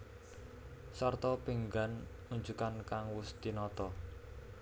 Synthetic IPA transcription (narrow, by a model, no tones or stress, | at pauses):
sɔrt̪ɔpiŋɡan | uɲd͡ʒukankaŋwʊst̪inɔt̪ɔ